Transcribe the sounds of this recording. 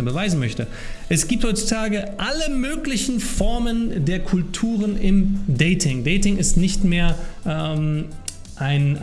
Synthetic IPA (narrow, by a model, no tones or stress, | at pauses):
əbəvaɪzn̩mœçtə | ʔɛsɡ̥iːp̚thɔʏt͡su̥tʰaːɡəʔaləmøːklɪçn̩fɔɐməndeːɐkʰʊltʰuːʁ̞ənɪmdɛɪtʰɪŋdɛɪtɪŋɪstnɪçtmeːɐʔɛm | ʔaɪn